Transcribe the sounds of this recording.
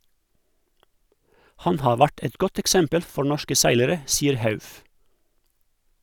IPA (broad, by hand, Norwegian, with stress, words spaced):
ˈhɑn ˈhɑː ˈʋæʈ ˈɛt ˈɡɔt ɛkˈsɛmpəl ˈfɔ ˈɳɔʃkə ˈsæɪləɾə ˈsiːəɾ ˈhɑʉf